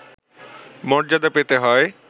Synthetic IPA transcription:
mɔɾd͡ʑad̪apet̪eɦɔe

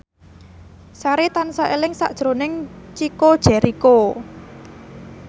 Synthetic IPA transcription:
saɾet̪ansaʔelɪŋsa̰ʔd̥ʒ̥ɾo̤nɪŋt͡ʃikod̥ʒ̥ɛ̤ɾiko

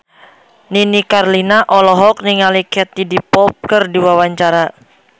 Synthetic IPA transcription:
ninikarlinaʔɔlɔɦɔk̚niŋalikɛt̪idipɔp̚kərdiwawaɲt͡ʃaɾa

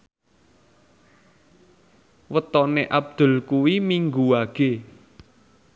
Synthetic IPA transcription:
wət̪ɔneʔab̚d̪̥ʊ̤lkuwimiŋɡuwaɡ̥e

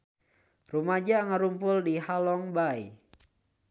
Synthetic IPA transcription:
rumad͡ʒaŋəɾumpʊldihalɔŋbai

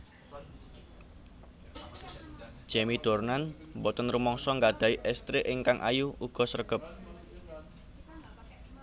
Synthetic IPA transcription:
d͡ʒʒ̥ɛmid̪̥ornanmbɔt̪ənɾumɔŋsɔŋɡad̪̥a̤iʔɛst̪ɾeʔɪŋkaŋʔa̰juuɡ̥ɔ̤sərɡ̥əp̚

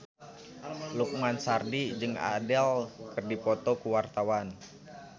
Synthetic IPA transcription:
luk̚mansardid͡ʒɨŋa̰dɛlkərdipɔt̪ɔkuwart̪awan

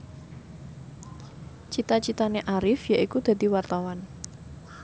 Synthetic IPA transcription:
t͡ʃit̪at͡ʃit̪aneʔaɾɪfjaʔikud̪̥a̤d̪̥iwart̪awan

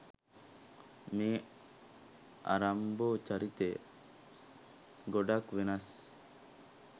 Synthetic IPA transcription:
miː | ʔa̰ɾamboːt͡ʃaɾit̪e | ɡoɖakʋenas

